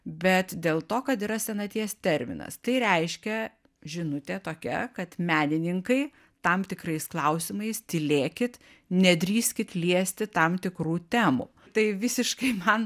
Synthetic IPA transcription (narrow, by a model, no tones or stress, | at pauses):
bʲɛt̪d̪ʲeːlˠt̪oːkɐt̪iːɾɐsʲɛnɐt̪ʲiɛst̪ʲɛɾʲmʲɪ̰nɐ̰st̪ɐɪɾʲɛɪʃʲkʲɛ | ʒʲɪnʊt̪ʲet̪oːkʲɛ̰kɐt̪mʲæːnʲɪnʲɪŋkɐɪ | t̪ɐmt̪ʲɪkrɐɪsklˠɐʊsʲɪmɐɪst̪ʲɪlʲeːkʲɪt̪ | nʲɛd̪ʲɾʲiːsʲkʲɪt̪lʲiɛsʲt̪ʲɪt̪ɐmt̪ʲɪkɾuːt̪ʲæːmṵː | t̪ɐɪʋʲɪsʲɪʃkɐɪmɐn